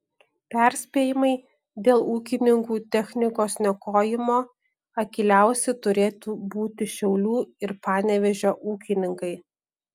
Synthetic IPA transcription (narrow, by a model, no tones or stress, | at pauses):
pʲɛˑɾʲsʲpʲeːjɪmɐɪ | d̪ʲeːlˠuːkʲɪnʲɪŋkuːt̪ʲɛxʲnʲɪkoːsnʲɛkoːjɪmoː | ɐkʲɪlʲæˑʊsʲɛt̪ʊɾʲeːt̪uːbuːt̪ʲɪʃʲɛʊlʲuːɪɾpɑːnʲɛʋʲɛʒʲoːʔuːkʲɪnʲɪŋkɐɪ